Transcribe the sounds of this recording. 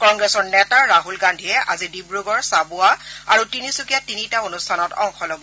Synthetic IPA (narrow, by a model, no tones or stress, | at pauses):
kɔŋɡɹɛsɔɹnɛtaɹaɦulɡandʱiɛʔazidibɹuɡɔɹsabʊaaɹutinisukijatinitaonustʰanɔtɔ̰ŋxʰɔlɔbɔ